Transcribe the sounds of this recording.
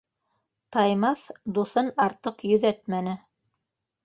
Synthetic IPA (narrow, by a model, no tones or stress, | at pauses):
t̪ɑjmɑsd̪uθɤnɑɾt̪ɤqjɵ̆ðæt̪mænɘ